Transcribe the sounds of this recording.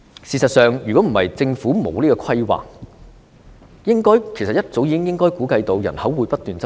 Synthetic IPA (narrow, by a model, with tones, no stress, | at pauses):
siː˨˩sɐ˨t̚sœː˨ŋjyː˨˩kɔː˨˥m̩˨˩hɐ̰˨˩jt͡sɪ˧ŋfuː˨˥mo̰˨˧wliː˥kɔː˧kʰɐ˥jwa̰ː˨k̚ | jɪ˥ŋkɔː˥jkʰe˨˩jsɐ˨˩jɐ˥t̚t͡so˨˥wjiː˨˧˥ɪ˥ŋjɪ˥ŋkɔː˥jkuː˨˥kɐ˧jt̪o˧wjɐ̰˨˩nhɐ˨˥wːuː˨˧jpɐ˥t̚t̪yː˨˩nt͡s